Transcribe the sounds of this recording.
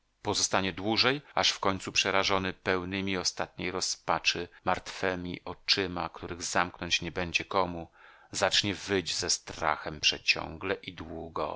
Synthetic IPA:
pɔzɔst̪aɲɛd̪wuʐɛjaʂfkɔɲt̪supʂɛɾaʐɔnɘpɛwnɘmʲiɔst̪at̪̚ɲejɾɔspat͡ʂɘmaɾt̪fɛmʲḭʔɔt͡ʂɘma̰kt̪uɾɘɣzamknɔɲt͡ɕɲɛbɛɲd͡ʑɛkɔmu | zat͡ʂɲɛvɘd͡ʑzɛst̪ɾa̰xɛmpʂɛt͡ɕɔ̰ŋɡlɛʔid̪wuɡɔ̰

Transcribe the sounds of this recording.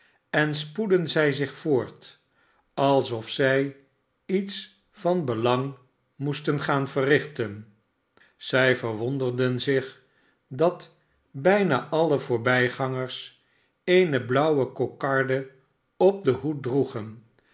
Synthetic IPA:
ɛnspudənzɛjzɪχfoːɹt | ɑlˠsɔfsɛj | its | fɑnbəlɑŋ | mustənχaːnv̥ərɪχtən | z̥ɛjvəɹʋɔndərdənzɪχ | dɑt | bɛjnaːʔɑləvʊːɹbɛjχɑŋəɹs | ejnəblʌwəkokɑɹdə | ɔp̚dəɦut̚druχən

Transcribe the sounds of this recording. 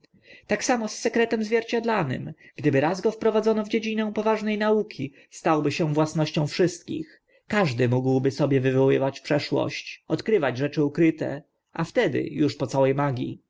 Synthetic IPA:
t̪aksamɔsːɛkɾɛt̪ɛmzvʲjɛɾt͡ɕad̪lanɘ̰mɡ̥d̪ɘbɘɾazɡɔfpɾɔvad̪zɔnɔvd͡ʑed͡ʑinɛ̃w̃pɔvaʐnɛjnaukʲʰi | st̪awbɘɕɛ̃vwasnɔɕt͡ɕɔ̃w̃fʂɘst̪kʲḭx | kaʐd̪ɘmuɡwbɘsɔbʲjɛvɘvɔwɘvat͡ɕpʂɛʂwɔ̰ɕt͡ɕɔt̪kɾɘvad͡ʑʐɛt͡ʂɘukɾɘt̪ɛ̰ | ʔaft̪ɛd̪ɘ̰juʂpɔt̪sawɛjmaɡʲḭ

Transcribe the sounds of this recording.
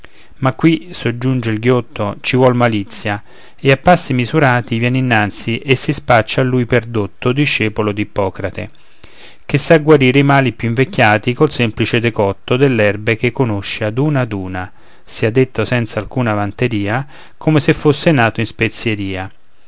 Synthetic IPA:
makːwisod͡ʒːund͡ʒeilɡjot̪ːot͡ʃivwɔlmalit̪sːja | eapːasːimizuɾaːt̪ivjɛninːant̪siʔesːispat͡ʃːaːlːuːjperd̪ot̪ːod̪iʃːɛːpolod̪ipɔːkɾat̪ḛ | k̟esːaɡwaɾiːɾeimaːlipjuiɱvekːjaːt̪ikolsɛmplit͡ʃed̪ekɔt̪ːod̪elːɛrbekekːonoʃːead̪uːnad̪uːna | siad̪ːet̪ːosɛnt̪salkuːnavant̪eɾiːa | kʰomesefːosːenaːt̪oinspet̪sːjeɾiːa

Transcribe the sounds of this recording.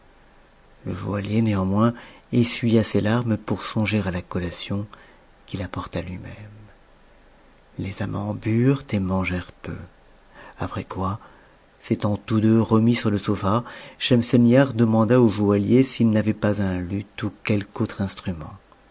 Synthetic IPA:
ləʒualjeneɑ̃mwɛ̃esɥijaselaʁmpuʁsɔ̃ʒeʁalakɔlasjɔ̃ | kʲilapɔʁt̪alɥimɛm | lezamʔɑ̰̃byʁt̪emɑ̃ʒɛʁpø̰ | apχɛkwa | set̪ɑ̃t̪ud̪øʁəmisyʁləsofaʃɛmsɛnjaʁd̪əmɑ̃d̪aoʒualjesilnavɛpazɛ̃lyt̪ukʲɛlkot̪χɛ̃st̪χymɑ̰̃

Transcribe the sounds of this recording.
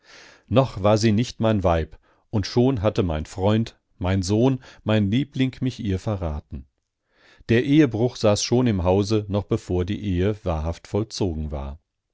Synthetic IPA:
nɔχv̥aːɐziːnɪçtmaɪnvaɪp | ʔʊntʃoːnɦatəmaɪnfʁ̥ɔʏnt | maɪnzoːnmaɪnliːplɪŋmɪçʔiːɐfɛɐʁaːtn̩ | d̥eːɐʔeːəbʁʊχz̥aːsʃoːnɪmɦaʊzənɔχb̥əfoːɐdḭːʔeːəvaːɐɦaftfɔlt͡soːɡŋ̩va̰ːɐ

